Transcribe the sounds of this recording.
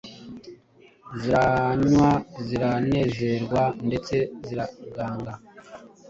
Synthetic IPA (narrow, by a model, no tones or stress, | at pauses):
ziɾaɲwaziɾane̞ːze̞ɾɡwande̞t͡se̞ziɾaɡaːŋɡa